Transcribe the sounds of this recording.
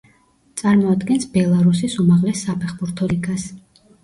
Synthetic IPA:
t̪sʼaɾmɔad̪ɡɛnsbɛlˠaɾusisumaʁlɛsːapʰɛχbuɾt̪ʰɔliɡas

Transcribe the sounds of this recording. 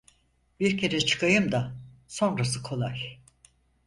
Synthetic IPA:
biɾcʰe̞ɾɛt͡ʃʰɯ̥kʰajɯmd̪aso̞nɾas̬ɯkʰo̞lˠaj

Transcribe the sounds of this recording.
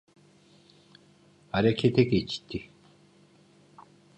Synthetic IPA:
aɾekʰet̪ʰeket͡ɕi̥t̪ːi

